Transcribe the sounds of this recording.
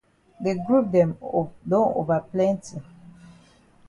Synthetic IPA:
de˨ɡɹu˦p̚dɛ̃˨mdõ˦no̰˨va˨plɛ̃˦nti˨

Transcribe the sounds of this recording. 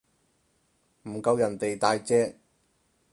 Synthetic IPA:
m̩˨˩kɐ˧wjɐ˨˩nt̪e˨jt̪aː˧jt͡sɛː˥k̚

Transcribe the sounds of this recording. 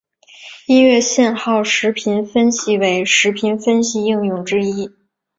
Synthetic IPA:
i˥nɥɛ˥˧ɕjɛ˥˧nxɑ˥˩ʊʂɻ̩˧˥pʰi˧˥nfə˥nɕi˧˩we˧˥ɪʂɻ̩˧˥pʰi˧˥nfə˥nɕi˧i˥˧ŋjʊ˥˩ŋʈ͡ʂɻ̩˥i˥

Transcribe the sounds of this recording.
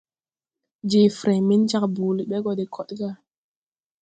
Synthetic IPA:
d͡ʒe˨fɾe˨mi˦nt͡ʃa˦kbu˨li˨ɓɛ˦ɡɔ˨de˨kʰɔ˨tɡa˦˨

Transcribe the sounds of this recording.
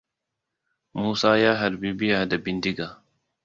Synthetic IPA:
muː˦saː˦jaː˦ɦɐ˨ɾbi˦bi˦a˨dɐ˨bi˨ndi˦ɡa˨

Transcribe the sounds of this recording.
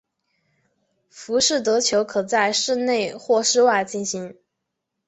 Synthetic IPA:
fu˧˥ʂɻ̩˥˩t̪ɤ˧˥t͡ɕʰjo˧˥ʊkʰɤ˨˩t͡sa˥˧ɪʂɻ̩˥˧ne˥˧ɪxwɔ˥˧ʂɻ̩˥˧wa˥˧ɪt͡ɕi˥˩nɕi˧˥ŋ

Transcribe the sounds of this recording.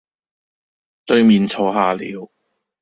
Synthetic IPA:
t̪ɵ˧ɥmiː˨nt͡sʰɔː˨˥ɦaː˨lḭː˨˥w

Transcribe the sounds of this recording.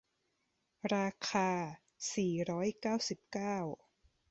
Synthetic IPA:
ɾaː˧kʰaː˧ | siː˨˩ɾɔː˦˥jkaː˥˩wsi˨˩p̚kaː˥˩w

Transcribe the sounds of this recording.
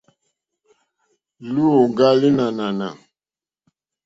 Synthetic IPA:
lu˦o˨ɡa˦li˦na˨na˨na̰˨

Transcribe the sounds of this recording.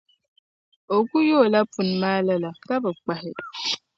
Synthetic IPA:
o˨ɡʷu˦jo˦˨la˦pu˨n̩˨ma˦la˦la˨ka˦bə˨k͡pa˨ɦɪ˨d

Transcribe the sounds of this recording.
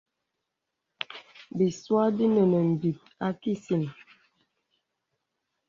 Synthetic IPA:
bi˨swa˦di˦nɛ˨nɛ˨m̩˨bi˨t̚a˦ki˦si˨n

